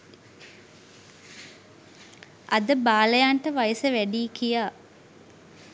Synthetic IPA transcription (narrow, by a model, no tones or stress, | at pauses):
ʔɐd̪əbaːləjaɳʈəʋajəsəʋæɖiːkijaː